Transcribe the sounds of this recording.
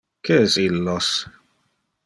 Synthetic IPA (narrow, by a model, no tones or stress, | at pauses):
keɛsilːos